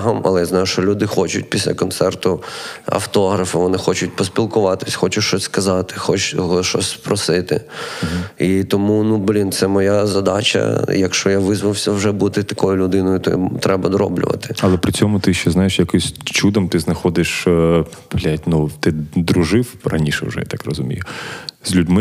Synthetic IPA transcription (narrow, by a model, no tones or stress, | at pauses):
ɦɐmɐ̰lˠɛjaznɑjʊʃt͡ʃɔlʲud̪ɪxɔt͡ʃʊ̰t̚ʲpʲisʲlʲɐ̰kɔnt̪sɛrt̪ʊɐ̰ft̪ɔɦɾɐfɪʋɔnɪxɔt͡ʃʊt̚ʲpɔsʲpʲilˠkʊʋɑt̪ɪ̥sʲxɔt͡ʃʊʃt͡ʃɔsʲskɐzɑt̪ɪ̥xɔt͡ʃɦʃɔ̰sʲspɾɔsɪt̪ɪ̰ | it̪ɔmunublʲint̪sɛmɔjazɐd̪ɑt͡ʃɐ̰jɐkʃt͡ʃɔjaʋɪzʋɐwsʲɐwʒɛbut̪ɪt̪ɐkɔjʊlʲʊd̪ɪnɔjʊt̪ɔ̰jt̪ɾɛbɐd̪ɔɾɔ̰blʲʊ̰ʋɐ̰t̪ɪ̥ɐlˠɛpɾɪt͡sʲɔmʊt̪ɪʃt͡ʃɛznɑjeʃjɐkɪjsʲt͡ʃud̪ɔmt̪ɪznɐxɔd̪ɪʃ | plʲatʲnut̪ɪd̪ɾʊʒɪwrɐnʲiʃɛ̰wʒɛ̰ja̰t̪akrɔzʊmʲḭjʊz̥ʲlʲʊdʲmɪ